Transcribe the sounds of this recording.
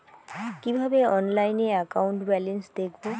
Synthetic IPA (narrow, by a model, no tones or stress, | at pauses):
kibʱabeɔnlajneakauɳʈbɛlensd̪ek̚ʰbo